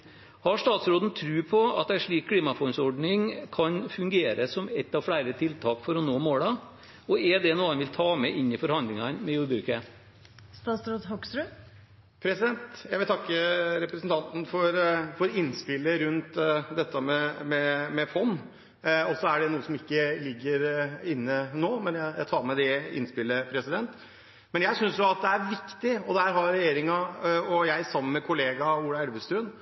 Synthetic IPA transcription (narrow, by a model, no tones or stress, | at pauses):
hɑʂt̪ɑːt̪sɾoːd̪n̩t̪ʰɾʉːpʰɔɑt̪̚d̪ɛæʂɭiːkʰːliːmɑfɔnsɔɖnɪŋkʰɑnfʉŋɡeːɾəsɔmɛt̪ːɑʋfɽæɪɾət̪ʰɪlt̪ʰɑːkfɔɾɔnoːmoːɽɑ | ɔɛɖ̪ɛnuːənʋɪlt̪ʰɑːmɛʔɪnːɪfɔɾhɑnd̪lɪŋɑnmɛjuːɾbɾʉːkə | st̪ɑːt̪sɾoːd̪ɦɔksɾʉ | pʰɾɛsɪd̪ɛnt̪jæɪʋɪlt̪ʰɑkːəɾɛpɾəsnt̪ʰɑnt̪n̩fɔɾfɔɾɪnːspɪlːəɾʉnt̪d̪ɛt̪ːəmɛmɛmɛfɔnː | ɔsɔæɖɛnuːəsɔmɪkːəlɪɡːəɾɪnːənoːmɛnjæjæɪt̪ʰɑːɾmɛd̪ɛɪ̰nspɪlːəpʰɾɛsɪd̪ɛnt̪ | mɛnjæɪsʏnsjʊɑt̪̚d̪ɛæɾʋɪkt̪ɪɔd̪ɛhæːɾɦɑɾɾɛjeːɾɪŋɑɔjæɪsɑmːəmɛkʰʊleːɡɑuːɽɑɛlʋəst̪ʉːn